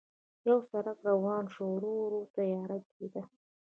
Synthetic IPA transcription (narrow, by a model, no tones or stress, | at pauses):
jawsaɾakɾawɑnʃoɾoɾot̪ajɑːɾat̪ked̪a